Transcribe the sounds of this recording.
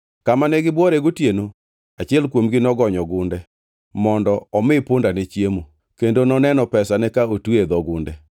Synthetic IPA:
kamanɛɡɪbwɔɾɛɡotjeno | at͡ʃɪɛlkwomɡɪnɔɡɔɲɔɡʊndɛ | mɔndɔɔmɪpʊndanet͡ʃjemo | kendonɔnɛnɔpɛsanɛkaotwed̪ɔɡʊndɛ

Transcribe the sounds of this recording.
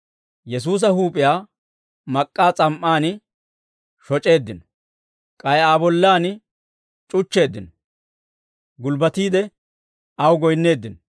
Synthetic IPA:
jɛs̬uːs̬ɐhuːpʼɪjaː | mɐkʼːaːt͡sʼɐmʔːaːn | ʃɔt͡ʃʼe̞ːd̪ːɪnɔ | kʼɐjaːbɔlːaːn | t͡ʃʼʊt͡ʃːe̞ːd̪ːɪnɔ | ɡʊlbɐt̪iːd̪ɛ | ʔɐwɡɔjnːe̞ːd̪ːɪnɔ

